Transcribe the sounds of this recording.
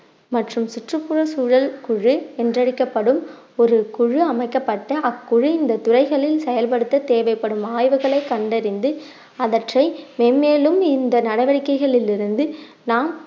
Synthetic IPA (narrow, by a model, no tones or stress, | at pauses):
mɐʈrɯmsʊʈrɯpːʊrɐsuːɻɐlkʊɻɯɛndrɐɽɪkːɐpːɐɽɯm | ɔɾɯkʊɻɯɐmɐɪkːɐpːɐʈːɐʔɐkːʊɻɯɪnd̪ɐt̪ʊrɐɪɣɐɭɪlsɛjɐlpɐɽɯt̪ːɐt̪eːʋɐɪpːɐɽɯmaːjʋɯɣɐɭɐɪkːɐɳɖɐɾɪnd̪ɯ | ɐðɐʈrɐɪmeːnmeːlɯmɪnd̪ɐnɐɽɐɪʋɐɽɪkːɐɪɣɐɭɪlɪɾɯnd̪ɯ | naːm